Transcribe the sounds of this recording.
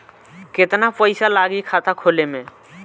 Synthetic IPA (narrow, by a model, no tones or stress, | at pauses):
ket̪napəɪsalaɡikʰat̪akʰolemẽ